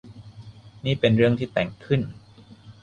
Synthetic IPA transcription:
niː˥˩pe˧nɾɯ˥˩əŋt̪ʰiː˥˩t̪ɛ˨˩ŋkʰɯ˥˩n

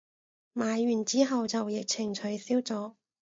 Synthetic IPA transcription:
maː˨˧jːyː˨˩nt͡siː˨˥ɦɐ˨wt͡sɐ˨wjɪ˨k̚t͡sʰɪ˨˩ŋt͡ʃʰɵ˨˧ɥsiː˥wt͡sɔː˨˥

